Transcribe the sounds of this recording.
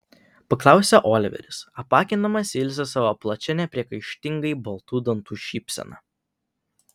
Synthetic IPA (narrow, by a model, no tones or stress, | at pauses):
pɐklˠɑˑʊsʲɛʔoːlʲɪʋʲɛ̰ɾʲɪsɐpɑːkʲɪnd̪ɐmɐsʲɪlʲsʲɛsɑːʋoplˠɐt͡ʃʲɛnʲɛpʲɾʲiɛkɐɪʃʲt̪ʲɪŋɡɐɪbɐlˠt̪uːd̪ɐnt̪uːʃʲiːpʲsʲɛ̰nɑ̰ː